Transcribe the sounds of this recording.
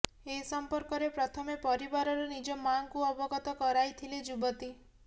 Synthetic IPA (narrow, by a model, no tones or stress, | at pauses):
esɔmpɔɾkɔɾepɾɔt̪ʰɔmepɔɾibaɾɔɾɔnid͡ʒɔmaŋkuɔbɔɡɔt̪ɔkɔɾajt̪ʰiled͡ʒubɔt̪i